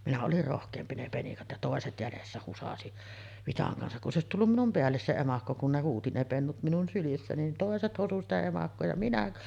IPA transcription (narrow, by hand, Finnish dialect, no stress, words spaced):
minæ olir rohkˑeːmpi ne penikɑt jɑ toˑeset jælesːæ husɑsi ʋitɑŋ kɑnsɑk kun s oˑesit tulːum minum peælːes se emɑkːo kun ne huːti ne penːut minun sylisːæ nin toˑeset hosu sitæ emɑkːoː jɑ minæ